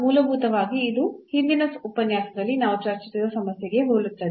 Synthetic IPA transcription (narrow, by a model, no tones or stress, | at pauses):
muːlɐbʱuːt̪ɐʋaːɡiːd̪uhind̪inɐsupɐnjaːsɐd̪ɐlːinaːʋut͡ʃaːɾt͡ʃisiɾɐsɐmɐsjɐɡe̞ɦoːɭut̪ːɐd̪